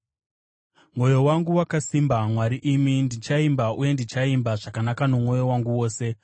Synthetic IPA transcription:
mwo̞jo̞waŋɡuwakasimbamwaɾiʔimindit͡ʃaimbaʔuje̞ndit͡ʃaimbaʐakanakanomo̞jo̞waŋɡuwo̞ːse̞

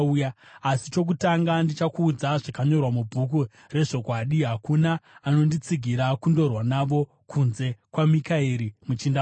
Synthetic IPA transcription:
ujaasit͡ʃo̞k̬utaŋɡandit͡ʃakuːd͡zaʐakaɲo̞rwamubʱuk̬u | re̞ʐo̞kwaɗiɦakunaːno̞ndit͡siɡʱiɾakundo̞rwanaʋo̞ | kʰunze̞kwamikaiɾimut͡ʃinda

